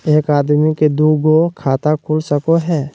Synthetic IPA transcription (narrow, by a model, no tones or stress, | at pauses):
eːkaːd̪miked̪uːɡokʰaːt̪akʰulsəkoɦɛː